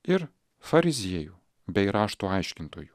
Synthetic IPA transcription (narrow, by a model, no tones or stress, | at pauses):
ɪɾ | fɐɾʲɪzʲiɛjuː | bʲɛɪɾɑːʃt̪uːɐɪʃʲkʲɪnt̪oːjuː